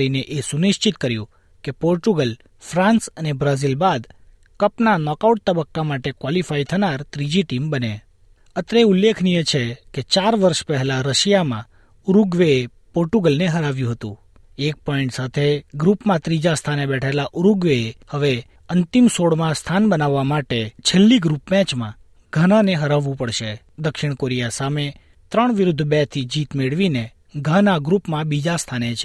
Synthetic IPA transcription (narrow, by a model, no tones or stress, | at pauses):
ineʔesuniʃt͡ʃit̪kəɾjṵ̃ | kepoɾʈuɡəl | fɾãnsənebɾazilbad̪ | kəpnanɔkauʈ̚t̪əbəkːamaʈekwalifait̪ʰənaɾt̪ɾid͡ʒiʈimbəne | ət̪ɾeulːekʰnijet͡ʃʰeket͡ʃaɾʋəɾʃpəɦɛlaɾəʃijamã̰ | uɾuɡʋee | poɾʈuɡəlneɦəɾaʋjũɦət̪ṵ̃ | ek̚pɔiɳʈsat̪ʰeɡɾupmãt̪ɾid͡ʒast̪ʰanebɛʈʰelaʔuɾuɡʋeehəʋe | ənt̪imsoɽmãst̪ʰanbənaʋːamaʈet͡ʃʰelːiɡɾupmɛ̃t͡ʃmã̰ | ɡ̥ʱananeɦəɾaʋːũpəɽʃe | d̪əkʃɪɳ̃koɾijasame | t̪ɾəɳʋɪɾʊd̪ʱbɛt̪ʰid͡ʒit̪meɭʋine | ɡʱanaɡɾupmãbid͡ʒast̪ʰanet͡ʃʰe